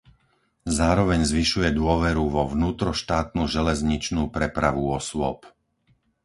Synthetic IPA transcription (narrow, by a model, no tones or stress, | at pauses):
zaːɾɔʋɛɲzʋiʃujɛd̪ʊɔʋɛɾuʋɔʋnuːt̪ɾɔʃt̪aːt̪nuʒɛlɛzɲit͡ʃnuːpɾɛpɾaʋuɔsʊɔ̰p